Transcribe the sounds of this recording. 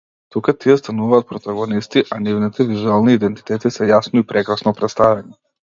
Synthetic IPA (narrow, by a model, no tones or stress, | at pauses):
t̪ukat̪iɛst̪anuvaːt̪̚pɾɔt̪aɡɔnist̪iʔanivnit̪ɛvizualˠniːd̪ɛnt̪i̥t̪ɛt̪isɛjasnɔipɾɛkɾasnɔpɾɛt̪st̪avɛni